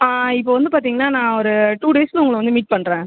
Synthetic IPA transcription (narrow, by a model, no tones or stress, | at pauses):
aːɪpːoːʋɐnd̪ɯpaːɾt̪iːŋɡɐnːaːnãːɔɾɯʈuːɖeːsl̃ʊŋɡɐɭʋɐnd̪ɯmiːʈ̚pɐɳːɾẽː